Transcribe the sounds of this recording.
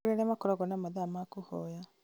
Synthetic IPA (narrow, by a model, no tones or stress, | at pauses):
ɾeɾɛmakɔɾɔɣɔnamaðamakuhɔja